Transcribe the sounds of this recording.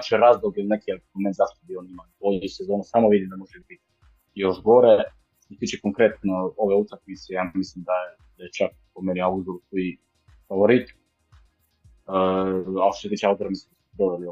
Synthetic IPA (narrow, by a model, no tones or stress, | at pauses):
t͡ʃeɾazd̪oɡilnekieoment̪zaʃt̪obionimanbojisezo̞nusamoʋid̪imd̪amo̞ʒɛbit̪i | jo̞ʒɡoɾe | it̪it͡ʃekoŋkɾe̞t̪nooʋeut̪akmit̪sejaːmislimd̪aje | d̪ajet͡ʃak̚ | pomenioauzd̪uɾusi | faʋoɾit̪i | ao̥toset̪iːt͡ʃɛaut̪oɾamislimd̪asu̥d̪oʋelio